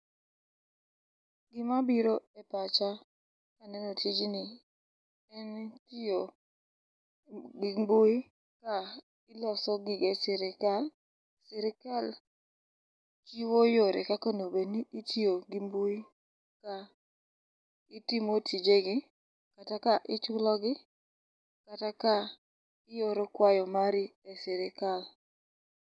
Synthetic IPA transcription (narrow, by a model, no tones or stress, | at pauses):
ɡɪmabiɾoɛpat͡ʃa | kanɛnotid͡ʒinɪ | ɛntio | ɡimbuj | ka | ilasɔɡɪɡesɪɾɪkal | sɪɾɪkal | kiwojoɾekakonobeniitioɡimbu | ka | itimotʰid͡ʒeɡɪ | katakaʔɪt͡ʃʊlɔɡɪ | kataka | ɪjoɾokwajɔmaɾiesɪɾɪkal